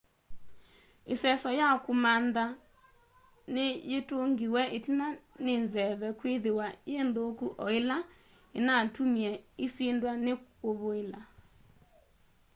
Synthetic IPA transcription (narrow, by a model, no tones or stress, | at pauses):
esɛsɔjakomanda | nejetoŋɡiwɛʔetinanenzɛβɛkweðewajendokuʔɔela | enatumiɛesendwanekoβoela